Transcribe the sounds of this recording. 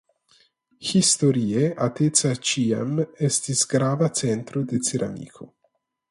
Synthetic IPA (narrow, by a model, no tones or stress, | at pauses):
xist̪oɾiːeat̪et̪sat͡ʃiːa̰mɛst̪isɡɾaːvat͡ʃɛnt̪ɾod̪eseɾʔa̰mḭːkʰo